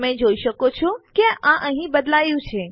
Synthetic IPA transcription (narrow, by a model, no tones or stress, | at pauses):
mẽd͡ʒoiʃəkot͡ʃʰokeãʔəɦĩbəd̪lajũt͡ʃʰe